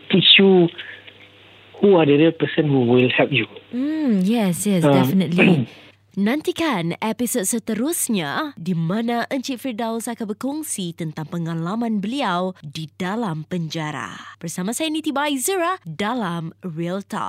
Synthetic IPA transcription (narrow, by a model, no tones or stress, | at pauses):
tit͡ʃju | huadədəpəsə̃nhuwilhɛp̚jum̩jɛsjɛsdɛfənət̪li | nãnt̪ikanɛpisot̚sət̪əɾʊsɲadimãnaʔəɲt͡ʃitfidawlsakanbərkɔŋsit̪ənt̪aŋpəŋalamãnbəliawdidalampəɲd͡ʒaɾa̰b̥ərsamãsajanĩt̪ibaizəɹadalamɹilt̪ɔ̰p̚